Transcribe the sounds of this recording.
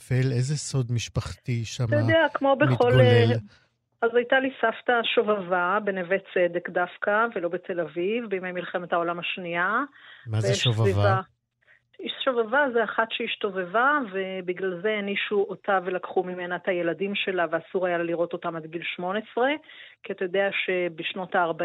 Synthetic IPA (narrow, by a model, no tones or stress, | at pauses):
felezeso̞d̪miʃpaχtiʃamjdeakmo̞beχo̞llel | azajtalisaftaʃovavabe̞nevet͡se̞de̞kdafkave̞lo̞bet̪ʰe̞lavivbeimajmilχemet̪hao̞lamaʃniamazejeeʃvavivaa | iʃʃovavazeaχatʃeiʃt̪ovevave̞biɡlalzeniʃuotʰavelakχumime̞naethaje̞ladimʃe̞laveasuʁajaliʁo̞to̞tamadɡilʃmo̞nesʁe̞ | kiat̪ajod̪eaʃe̞beʃno̞taːʁba